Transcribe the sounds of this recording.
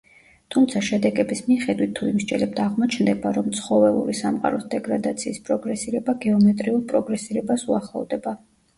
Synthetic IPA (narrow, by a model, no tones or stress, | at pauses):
t̪ʰumt̪sʰaʃɛd̪ɛɡɛbismiχɛd̪wit̪ʰːuimʃd͡ʒɛlɛb̚t̪ʰaʁmɔt͡ʃʰnd̪ɛbaɾɔmt̪sʰχɔvɛṵɾisamqʼa̰ɾɔsd̪ɛɡɾad̪at̪sʰiːspʼɾɔɡɾɛsiɾɛbaɡɛɔmɛt̪ʼɾiuɾpʼɾɔɡɾɛsiɾɛbasuaχlˠɔ̰vd̪ɛba